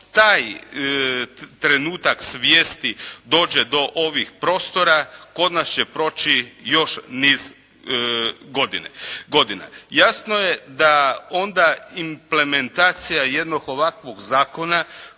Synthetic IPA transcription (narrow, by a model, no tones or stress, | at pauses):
t̪aːj | t̪ɾe̞nuːt̪aksʋjeːst̪id̪o̞ːd͡ʑe̞d̪o̞ʔo̞ʋixpɾo̞ːst̪o̞ɾako̞d̪nast͡ɕepɾo̞t͡ʃijo̞ʃniːz | ɡo̞d̪inḛɡo̞d̪ina̰jasnoje̞d̪ao̞nd̪aimple̞me̞nt̪aːt̪sijaje̞d̪noɡo̞ʋakʋo̞ɡzaːko̞na